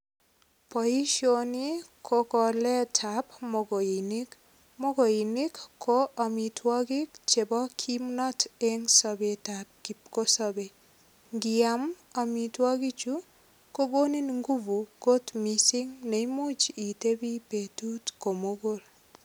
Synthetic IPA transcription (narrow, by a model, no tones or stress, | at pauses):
pɔiʃonikʰokɔlɛtʰapmoɡoinɪk | moɡoinikːoʔamitʰwɔɡikt͡ʃebɔkʰimnɔteŋsɔbetap̚kipkosɔbe | ŋɡɪam | amitwɔɡit͡ʃu | koɡoninŋɡuvuɡ̥ot̪misɪŋnejmot͡ʃitebipetutkomoɡol